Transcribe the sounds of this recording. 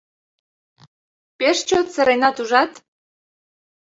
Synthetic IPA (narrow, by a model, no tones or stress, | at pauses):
peʃt͡ɕot̪sĕɾejnɑt̪uʒɑt̪